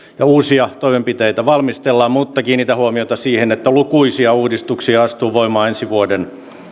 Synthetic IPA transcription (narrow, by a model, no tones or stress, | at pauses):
jɑuːsiɑt̪oimempit̪ejt̪æʋɑlmist̪elːɑːmmuːt̪ːɑkiːnniːt̪æhuomioit̪ɑsiːhenet̪ːælukuisiɑuːdist̪uksiɑɑst̪uːʋoimɑːensiʋuoden